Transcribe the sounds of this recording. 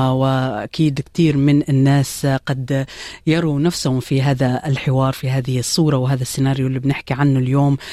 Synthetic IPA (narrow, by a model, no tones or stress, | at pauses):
wɪʔa̰kiːd̪kt̪iːɾmɪnɪnːaːsqɑd̪jɑɾˤunafsahʊmfiɦaːðaɪlħɪwɑːɾˤfiɦaːðɪhsˤːuːɾˤɑwɦaːðasːɪnaːɾjulːibnɪħkiʕanːʊljoːm